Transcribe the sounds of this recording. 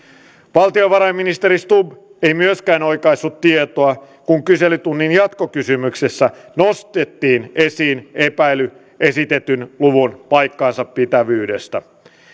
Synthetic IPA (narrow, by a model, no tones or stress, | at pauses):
ʋɑlt̪ioʋɑɾɑjmːinist̪eɾist̪ub | e̞jmyøskæːno̞jkɑisːut̪ːiet̪oɑ | kuŋkyse̞lyt̪unːinjɑt̪ko̞kysymykse̞sːænost̪et̪ːiːne̞siːne̞pæjly | ʔe̞sit̪e̞t̪ynluʋunpɑjkːɑːnsɑppit̪æʋyːde̞st̪æ̰